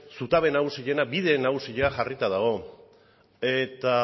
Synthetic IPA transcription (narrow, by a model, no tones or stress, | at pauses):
sut̪aβe̞naɣusiʎe̞nabiðe̞naɣusiʎaʝarit̪aðaɣ̞o̞ | e̞t̪a